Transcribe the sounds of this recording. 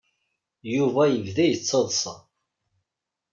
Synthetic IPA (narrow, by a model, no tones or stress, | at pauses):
juvæjəvðæjət͡sːəðˤsˤɑ̰